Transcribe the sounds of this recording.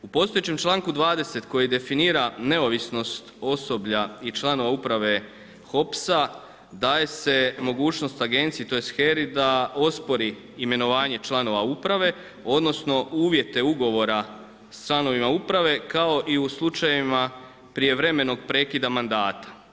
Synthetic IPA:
upo̞ːst̪o̞jet͡ɕe̞mt͡ʃlˠaːŋkud̪ʋaːd̪e̞se̞t̪ko̞jid̪e̞finiːɾane̞o̞ʋisno̞st̪o̞so̞bʎait͡ʃlˠano̞ʋaupɾaʋe̞ | xo̞psa | d̪aːje̞se̞mo̞ɡuːt͡ʃno̞st̪aɡe̞nt̪siet̪o̞jest̪xe̞ɾid̪ao̞spo̞ɾiː | me̞no̞ʋaːɲe̞t͡ʃlˠano̞ʋaupɾaʋe̞ | o̞d̪no̞sno̞uːʋje̞t̪e̞uɡo̞ʋo̞ɾa | st͡ʃlˠano̞ʋimaupɾaʋe̞kao̞ʔiuslˠut͡ʃajima | pɾije̞ʋɾe̞me̞no̞ɡpɾe̞ːkid̪amand̪aːt̪ḁ

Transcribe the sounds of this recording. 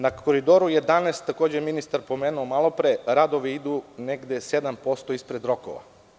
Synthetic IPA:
nakʰoɾid̪oɾujed̪aneːst̪ːako̞ːd͡ʑeminist̪aɾpo̞meːnuomalˠopɾeɾad̪oʋiid̪uneɡd̪esed̪ampo̞st̪oispɾed̪ɾo̞ko̰ʋa̰

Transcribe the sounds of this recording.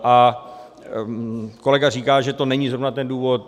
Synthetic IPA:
ʔa | ko̞lɛɡar̝iːkaːʒɛt̪onɛɲiːzɾo̞vnat̪ɛnduːvot̪

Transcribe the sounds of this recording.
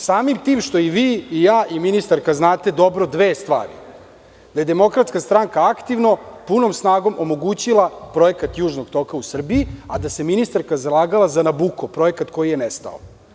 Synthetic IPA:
saːmimt̪iːmʃt̪o̞iʋiːijaːʔiminist̪aɾkaznaːt̪e̞d̪o̞bɾo̞d̪ʋeːst̪ʋa̰ːɾḭ | d̪aje̞d̪e̞mo̞kɾat̪skast̪ɾaŋkaakt̪iʋno̞puno̞msnaːɡo̞mʔomo̞ɡuːt͡ɕilˠapɾo̞jekat̪juːʒnoɡt̪o̞kausr̩biːad̪ase̞minist̪aɾkazalˠaːɡalˠazanabuːkopɾo̞jekat̪ko̞jijenɛst̪a̰o̰

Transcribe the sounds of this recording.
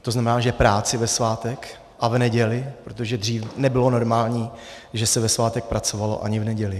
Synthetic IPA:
t̪oznamɛnaːʒɛpɾaːt͡sɪvɛsvaːt̪ɛk | ʔavnɛɟɛlɪpɾo̞t̪oʒɛdr̝iːfnɛbɪlo̞no̞ɾmaːlɲiː | ʒɛsɛvɛsvaːt̪ɛk̚pɾat͡so̞valo̞̰ʔa̰ɲɪvnɛɟɛlɪ

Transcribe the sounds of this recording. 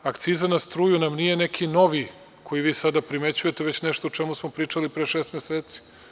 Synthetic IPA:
akt̪siːzanast̪ɾuːjunamnije̞ne̞kʰino̞ʋi | kʰo̞jiʋiːsad̪apɾimet͡ɕuje̞t̪eʋe̞t͡ɕneʃt̪out͡ʃemusmopɾiːt͡ʂalipɾeːʃeːst̪meseːt̪si̥

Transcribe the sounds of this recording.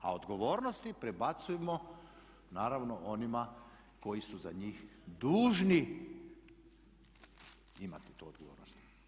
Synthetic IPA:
a̰od̪ɡo̞ʋo̞ːɾnost̪ipɾebat̪sujemo | naːɾaʋnoʔo̞nima | ko̞jisuzaɲiːxd̪uːʒni | ima̰t̪i̥t̪oːod̪ɡoʋoːɾnost̪

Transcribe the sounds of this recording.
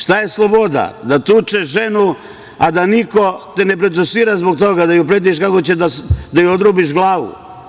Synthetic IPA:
ʃt̪aje̞slˠobo̞d̪a̰d̪at̪ut͡ʃeʃʒenu | ad̪aniko̞t̪enepɾod̪usiːɾazbok̚t̪o̞ɡad̪ajupɾed̪ieʃkakot͡ɕed̪asd̪ajuod̪ɾubiʃɡlˠaːʋṵ

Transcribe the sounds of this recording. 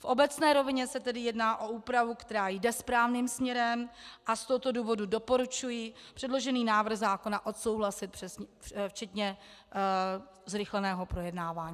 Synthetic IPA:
fʔo̞bɛt͡snɛːɾo̞vɪɲɛsɛt̪ɛdɪjɛdnaːʔo̞uːpɾavukt̪ɛɾaːjdɛspɾaːvniːmsmɲɛɾɛmʔast̪oɦot̪o̞duːvo̞dudo̞po̞ɾut͡ʃujipr̝̥ɛdlo̞ʒɛniːnaːvr̩xzaːko̞naʔo̞t̪so̞wɦlasɪt̪̚pr̥ɛsɲɛft͡ʃɛt̪ɲɛ | zɾɪxlɛnɛːɦo̞pɾo̞jɛdnaːvaːɲiː

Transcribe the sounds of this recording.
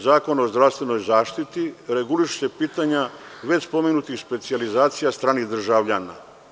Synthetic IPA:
zaːko̞naozd̪ɾafst̪ʋeno̞jzaːʃt̪it̪iɾe̞ɡuliʃu̥se̞piːt̪aɲa | ʋe̞t͡ɕspo̞meɡnut̪ixspe̞t̪sializaːt̪sijast̪ɾaːnixd̪r̩ʒaʋʎana̰

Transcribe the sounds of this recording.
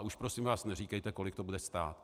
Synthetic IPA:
ʔuʃpɾo̞sɪmvaːsnɛriːkɛjt̪ɛko̞lɪkt̪o̞budɛst̪a̰ːt̪

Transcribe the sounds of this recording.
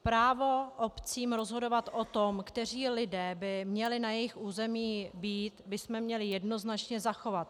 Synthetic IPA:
pɾaːvo̞ʔopt͡siːmɾo̞zɦo̞do̞vat̪ʔo̞t̪omkt̪ɛr̝iːlɪdɛːbɪmɲɛlɪnajɛjɪxʔuːzɛmiːbiːt̪bɪsmɛmɲɛlɪjɛdno̞znat͡ʃɲɛzaxo̞vat̪̚

